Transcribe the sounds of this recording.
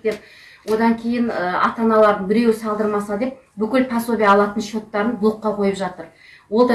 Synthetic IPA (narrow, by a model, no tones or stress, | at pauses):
t̪ep | wo̞d̪ɑŋkʲʰe̞jɪnəɑ̰t̪ɑnɑlˠɑɾd̪əɴbɪɾe̞wɪsɑlˠd̪əɾmɑsəd̪e̞p̚ | bʏkʲɪlpʰɑso̞bʲijɑːlˠɑt̪ənʃo̞t̪ːɑɾənblˠoqːɑqʰo̞jəpʒɑt̪əɾ | wo̞lˠd̪ɑ